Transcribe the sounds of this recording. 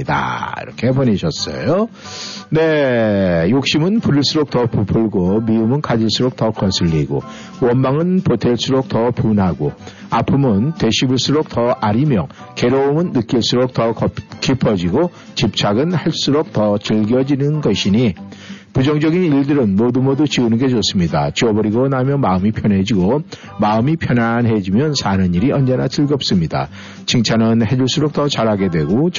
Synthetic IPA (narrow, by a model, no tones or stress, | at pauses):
ida̰ḭɾʌkʰebʌɲiɕʰʌs͈ʌ̰jo | ne̞ | jok̚ɕ͈imɯnpuɾiɭs͈uɾok̚tʌpupʰɯɭɡomiumɯnkad͡ʑiɭs͈uɾok̚tʌkʌsʰɯʎːiɡo̰ | wʌnmaŋɯnpotʰeɭs͈uɾok̚tʌpunɦaɡoapʰɯmʌnte̞ɕʰibɯɭs͈uɾok̚tʌaɾimjʌke̞ɾoomɯnːɯk͈iɭs͈uɾok̚tʌkʌkʰipʰʌd͡ʑiɡo | t͡ɕip̚t͡ɕʰaɡɯnhaɭs͈uɾok̚tʌt͡ɕɯɭɡjʌd͡ʑinɯnɡʌɕʰiɲipud͡ʑʌŋd͡ʑʌɡiniɭdɯɾɯnmodumodut͡ɕiunɯnɡe̞t͡ɕos͈ɯmɲidat͡ɕiʌbʌɾiɡonamjʌnmaɯmipʰjʌnɦe̞d͡ʑiɡo | maɯmipʰjʌnanɦe̞d͡ʑimjʌnsʰanɯniɾiʌnd͡ʑe̞nat͡ɕɯɭɡʌp̚s͈ɯmɲida̰ | t͡ɕiŋt͡ɕʰanɯnhe̞d͡ʑuɭs͈uɾok̚tʌt͡ɕaɾɦaɡe̞dwe̞ɡo